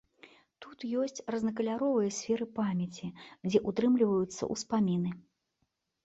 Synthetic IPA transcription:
t̪ut̪jɔsʲt͡sʲrɐznɐkɐlʲaɾɔvɐjɐsʲfʲɛɾɨpamʲjɛt͡sʲid͡zʲɛʔut̪ɾɨmlʲivɐjut̪sːɐ̰ʔuspamʲinɨ

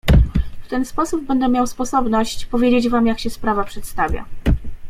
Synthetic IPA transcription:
ft̪ɛnspɔsubbɛnd̪ɛmʲjawspɔsɔbnɔɕt͡ɕpɔvʲjed͡ʑed͡ʑvamjakɕɛspɾavapʂɛt̪st̪avʲja̰

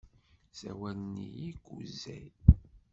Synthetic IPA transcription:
sæ̰wælnːijiɡuzæj

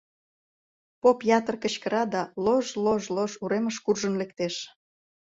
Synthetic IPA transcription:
popjɑt̪ərkə̆ɕkə̆ɾɑd̪ɑloʒloʒloʒuɾeməʃkurʒənlek̚t̪eʃ

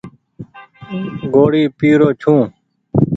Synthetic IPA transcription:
ɡoːɽiːpiːɾoːt͡ʃʰũː

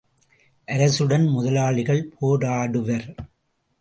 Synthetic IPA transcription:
ʔɐɾɐsɯɽɐnmʊðɐlaːɭɪɣɐɭpʰoːɽaːɽɯʋɐɾ

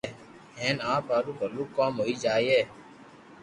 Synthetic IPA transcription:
ɦẽːnãːpaːɾũːbʱəluːkaːmɦoːiːd͡ʒaːieː

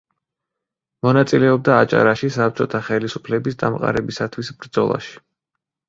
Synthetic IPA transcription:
mɔnat̪sʼilɛɔb̚d̪aːt͡ʃʼa̰ɾaʃisap̚t͡ʃʼɔt̪ʰaχɛlisupʰlɛbisd̪amqʼa̰ɾɛbisat̪ʰwisbɾd̪zɔ̰lˠa̰ʃi̥

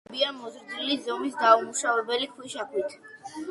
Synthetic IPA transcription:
biamɔzɾd̪ilizɔmisd̪aumuʃavɛbɛlikʰwiʃakʰwit̪ʰ

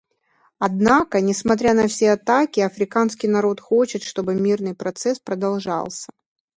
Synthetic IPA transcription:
ɐd̪nakənʲɪsmɐt̪̬ɾʲanɐfsʲeɐt̪akʲɪɐfɾʲɪkanskʲɪjnɐɾo̞t̪xot͡ɕɪt̪ʂt̪o̞bɨmʲirnɨjpɾɐt̪sɛspɾəd̪ɐlˠʐɑ̰lˠsʲə̥

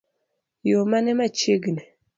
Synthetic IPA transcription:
jomanɛmat͡ʃeɡine

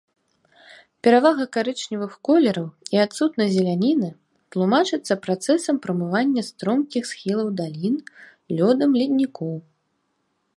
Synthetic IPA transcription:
pʲɛɾavaɣɐkaɾɨt͡ʂnʲivɨxkɔlʲɛɾɐwiat̪sut̪nɐjzʲɛlʲanʲinɨ | t̪lˠumat͡ʂɨt̪sːɐpɾat̪sɛsɐmpɾɐmɨvanʲːɐst̪ɾɔmkʲixsxʲilˠɐwd̪alʲin | lʲɔd̪ɐmlʲid̪ʲnʲikɔw

